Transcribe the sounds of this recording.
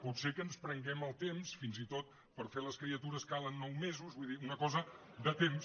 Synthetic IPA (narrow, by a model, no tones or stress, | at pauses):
put̪sekənspɾəŋɡɛməlˠt̪emsfinzit̪ot̪̚ | pəɾfeləskɾiət̪uɾəskalənːɔwmezuzβuiðiunəkɔzə | d̪ət̪ems